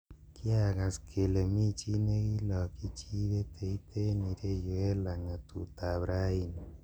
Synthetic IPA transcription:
ki˦a˦˨ɣa˨skʰe˨le˨mi˦t͡ʃi˦ne˦ki˦lɔ˨ki˦t͡ʃi˦βe˦tʰe˨i˦t̪ʰe˦ni˨ɾe˦jo˨e˦la˨ŋa˨tṵ˨ta˨βɾa˦i˦ni˨

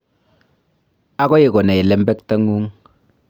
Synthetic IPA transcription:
a˦kɔ˦je˨kɔ˨na˨i˨lɛ˦mbɛ˦kta˦ŋu˦ŋ

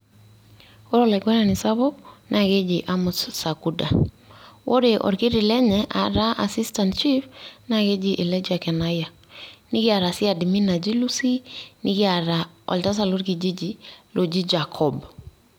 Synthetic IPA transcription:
o˦ɾɔla˨ɡwɛ˦na˨ni˨sa˦βo˦na˨ke˦d͡ʒiʔa˦mu˨ssa˨ku˦da˨ | wʔo˦ɾeʔɔ̰˨ɾkɪ˦ɾɪ˨lɛ˦ɲɛʔa̰˨ɾa˦ʔa̰si˦sta˨ntt͡ʃi˦fna˦ke˦d͡ʒiʔɪ˨lɛ˦d͡ʒa˨kɛ˨na˦ja˨ | nɪ˦kɪ˦a˨ɾa˨si˦a˨di˨mi˦na˨d͡ʒi˦lu˦si˦nɪ˦kɪ˦a˨ɾa˨ | ɔ̰˨lta˦s̬a˨lo˦ɾki˨d͡ʒi˦d͡ʒi˦lʔo˨d͡ʒi˦d͡ʒakʰɔb

